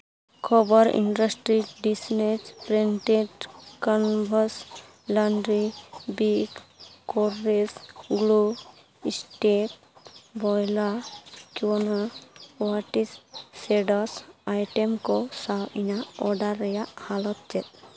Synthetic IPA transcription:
kʰɔbɔɾḭɳɖɔsʈɾiɖisnet͡ʃpɾenʈeʈkɔnbʱɔs | laɳɖɾibikkɔɾːesɡlu | isʈek̚ | bɔjlakjonawaʈisːeɖɔsajʈemkɔsawiɲaɔɖaɾːɛjahalɔt̪̚t͡ʃɛt̪̚

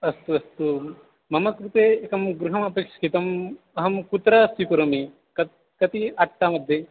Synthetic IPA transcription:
ɐst̪uɐst̪u | mɐmɐkɾut̪eːekɐmɡɾuɦɐmaːpeːkʂɐ̥kit̪ɐm | ɐɦɐmkut̪ɾɐsʋipuɾɐmi | kɐ | kɐt̪iɐʈːaːmɐd̪ʱːe

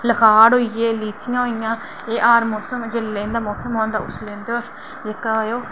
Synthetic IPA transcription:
ləkʰaːɽɦoːijeːliːt̪ɪjãːɦoijãː | eːʔaːɾmoːsəmd͡ʒelːẽːnd̪aːmɔːksəmõːnd̪aːʊslẽːnd̪o | d͡ʒekajoː

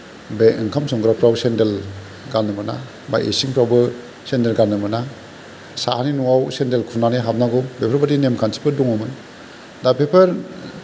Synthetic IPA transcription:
beɯŋkʰamsɔŋɡɾapɾawsendel | ɡanːɯmɯna | ba̰jʔḛsiŋpʰɾawbɯ | sendelɡanːɯmɯna | sahaninuawsendelkʰunaniɦap̚naɡɔbepʰaɾbadinemkʰansʰi̥pɯduŋɯmɯn | dapepʰɐɾ

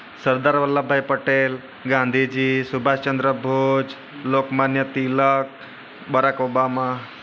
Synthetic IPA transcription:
səɾd̪aɾʋəlːabʱːajpəʈel | ɡãnd̪ʱid͡ʑiːsubʱast͡ɕənd̪ɾəbʱod͡ʒ | lokmanjət̪ilək̚ | baɾakobama

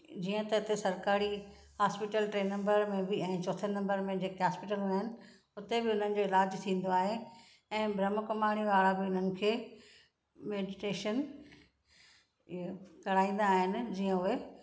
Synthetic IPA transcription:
d͡ʑiːə̃t̪ɐɪt̪esɐɾkaːɾi | ɦaːspɪʈəlʈɾeːnɐ̃mbəɾmẽbɪɛ̃ːt͡ɕoːt̪ʰənnɐ̃mbəɾmẽd͡ʑeːkeɦaːspɪʈəlaɦɪnɪ̆ | ʊt̪ebɪʊn̤ənɪ̆d͡ʑoːɪlaːd͡ʑt̪ʰĩːn̆d̪oaːɦe | ɛ̃ːbɾɐməkɐmaːɽ̃iʋaːɭabɪʊn̤ənɪ̆kʰeː | meːɖɪʈeːʃən | ɪɦokɐɽ̤aːĩːn̆d̪aːɦɪnɪ̆d͡ʑiːə̃ʊe

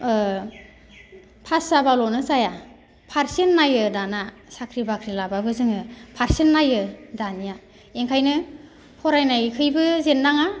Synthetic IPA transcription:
pʰasabalɔnɯzaja | pʰaɾsenːajɯdana | sakʰɾibakʰɾilababɯzɯŋɯpʰaɾsenːajɯdanija | eŋkʰajnɯ | pʰɔɾajnajkʰɯjbɯzenːaŋa

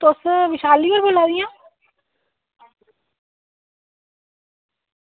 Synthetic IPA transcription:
t̪osʋɪʃaːliːʋəɾboːlaːd̪ijãː

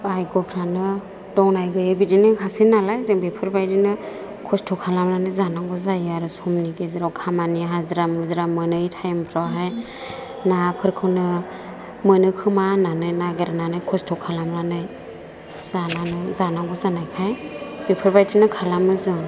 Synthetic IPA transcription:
ajɡɔpʰɾanɯ | dɔŋnajɡɯjebidinɯkʰasinalajzeŋbepʰɯɾbajdinɯ | kʰɔstʰɔkʰalamɾanɯjzanaŋɡɔzajaɾɯsɔmniɡeziɾawkʰamaniɦazɾamɯzɾamɯnɯjtʰajmpʰɾawɦaj | napʰɯɾkʰɯwnɯ | mɯnɯkʰɯmananɯjnaɡɯɾananɯjkʰɔstʰɔkʰalamɾanɯj | z̥ananɯzanaŋɡɔzanajkʰajbepʰɯɾbajdinɯkʰalamɯzɯŋ

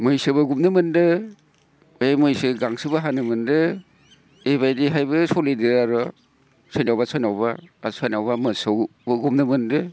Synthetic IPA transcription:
mɯjsɯbɯɡumnɯmɯndɯ | emɯjsɯɡaŋsɯbaɦanɯmɯndɯ | ebajdiɦajbɯsɔlediɾaɾɔ | sʰɔjnawbasɔjnawbaasɔjnawbamɯsowbɯɡumnɯmɯndɯ

